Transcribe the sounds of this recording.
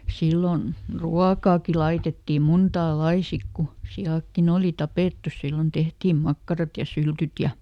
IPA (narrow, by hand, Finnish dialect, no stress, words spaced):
silːon ruɑkɑːki lɑitetːi muntɑː lɑi sik ku siɑˑkːin oˑli tɑpeˑtːu silːon tehtiːm mɑkːɑrɑt jɑ syltyt jɑ